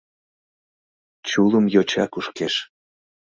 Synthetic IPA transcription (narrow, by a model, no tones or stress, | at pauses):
t͡ɕuləmjot͡ɕɑ̰kuʃkeʃ